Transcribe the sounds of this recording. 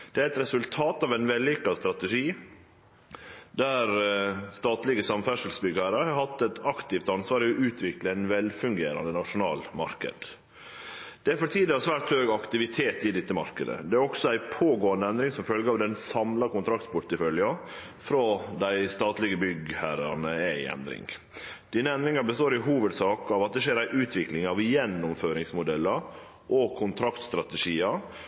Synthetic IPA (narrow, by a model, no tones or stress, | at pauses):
d̪̥ɛæɛt̪ɾɛsʉlt̪ʰɑːt̪ɑːʋæɪnʋɛlːɪkːɑst̪ɾɑt̪əʂiː | d̪æɾst̪ɑːt̪lɪɡəsɑmfæʂəlsbʏɡɑɾəhɑɾhɑt̪ːɛt̪ɑkt̪ɪft̪ɑnsʋɑːɾɪɔʔʉːt̪ʰʋɪkləæɪnʋɛlfʉŋɡḛːɾɑ̰nd̪ənɑʂʊnɑ̰ːlmɑ̰ɾkə̰d̪̥ | d̪̥ɛæɾfɔʈʰiːd̪əɑsʋæːʈ̪høːɡɑkt̪ɪʋɪt̪ʰeːt̪ɪd̪ɪt̪ːəmɑ̰ɾkə̰d̪ə̰d̪ɛæɾɔksɔæɪpʰoːɡoːɑnd̪əɛnd̪ɾɪŋsɔmfœlɡəɑʋd̪ɛnsɑmlɑkʊnt̪ʰɾɑk̚t̪pʰʊʈt̪ɪfœljɑ | fɾod̪æɪst̪ɑːt̪lɪɡəbʏɡhæɾɑ̰nəæɪɛ̰nd̪ɾɪ̰ŋ | d̪̥iːnəɛnd̪ɾɪŋɑbəst̪oːɾɪɦuːʋəd̪sɑːkɑːʋɑt̪̚d̪ɛʂeːɾæɪʔʉːt̪ʰʋɪklɪŋɑʋjɛnːʊmføːɾɪŋsmʊd̪ɛlːəɾ | ʔɔkʰʊnt̪ʰɾɑkt̪st̪ɾɑt̪əʂiːɑ